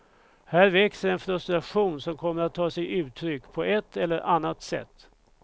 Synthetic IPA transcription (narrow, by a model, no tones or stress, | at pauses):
hæːɾvɛksəɾɛnfɾɵst̪ɾaɧuːnsɔmkʰɔmːəɾat̪ʰːɑːsɛjʔʉ̟ːt̪ʰɾʏkːpʰɔʔɛt̪ːɛlːəɾʔanːat̪sɛ̰t̪ː